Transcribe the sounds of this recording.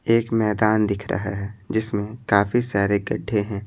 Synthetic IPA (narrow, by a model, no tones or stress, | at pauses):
eːkmɛːd̪aːnd̪ɪkʰɾɐ̰ɦaɦɛːd͡ʒɪsmẽkaːfisaːɾeɡɐɖʱːeɦɛ̃ː